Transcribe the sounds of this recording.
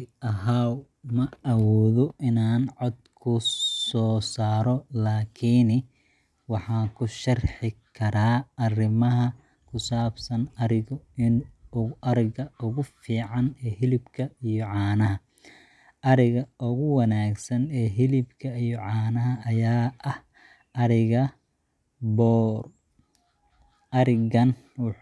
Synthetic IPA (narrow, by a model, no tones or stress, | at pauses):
ɐɦa | mɐɐwɔːðɔʔɪnaːnʕɔd̪kʰʊsɔːsaːɾɔlaːkʰiːn | wɑħɑːkʰʊʃɐrħɪkʰɐɾaːɐrɪmɐɦɐ | kʰʊsaːbsɐnɐɾɪɣʊɪnʊʔɐɾɪɣɐʊɣʊfiːʕɑnɛːhɪlɪbkʰɐijɔʕɑːnɐɦɐ | ʔɐɾɪɣɐʔʊɣʊwɐnaːɡsɐnɛːɦɪlɪbkʰɐijɔʕɑːnɐɦɐːjaːʔɐh | ɐɾɪɣɐ | bɔːr | ɐɾɪɣɐn | w